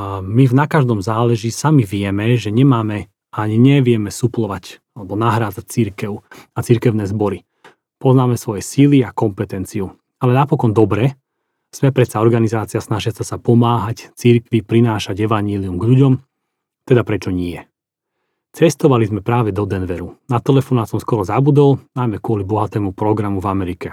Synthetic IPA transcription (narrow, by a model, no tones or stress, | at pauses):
mivnakaʒd̪ɔmzaːlɛʒisamiʋɪɛmɛʒɛɲɛmaːmɛ | aɲiɲɛʋɪɛmɛsuplɔʋacalɛbɔnaɦɾaːd͡zac̚t͡siɾkɛʊat͡siɾkɛʊnɛːzbɔɾi | pɔznaːmɛsʋɔjɛsiliakɔmpɛt̪ɛnt͡siu | alɛnapɔkɔnd̪ɔbɾɛ | z̥mɛpɾɛt̪saɔɾɡanizaːt͡siasnaʒɪasasapɔmaːɦact͡siɾkʋipɾinaːʃaɟɛʋaɲɪɛliumɡʎuɟɔm | t̪ɛd̪apɾɛt͡ʃɔɲɪɛ | t͡sɛst̪ɔʋalizmɛpɾaːʋɛd̪ɔd̪ɛnʋɛɾunat̪ɛlɛfɔnaːt̪sɔmskɔɾɔzabud̪ɔlnajmɛkʊɔlibɔɦat̪ɛːmupɾɔɡɾamuvamɛɾikɛ